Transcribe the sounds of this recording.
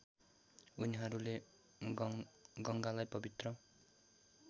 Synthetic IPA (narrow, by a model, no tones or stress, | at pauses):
uniɦʌɾule | ɡʌŋɡalajpʌbit̪rʌ